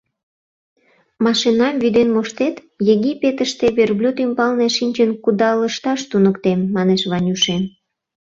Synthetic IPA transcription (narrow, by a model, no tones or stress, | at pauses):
mɑʃinɑmvyd̪enmoʃt̪et̪ | jeɣipʲːet̪əʃt̪eβerblʲut̪ymbɑlneʃinʲt͡ɕənkud̪ɑləʃt̪ɑʃt̪unəkt̪emːɑneʃβɑnʲuʃem